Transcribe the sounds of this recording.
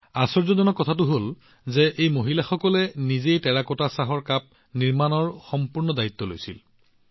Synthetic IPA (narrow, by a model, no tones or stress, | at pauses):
asɔɹzɔdɔnɔkɔtʰatʊɦol | zɛʔejmoɦilaxɔkɔlɛnizejtɛɹakɔtasaɦɔɹkap̚ | niɹmanɔɹxɔmpuɹnɔdait̪ːɔlojsḭl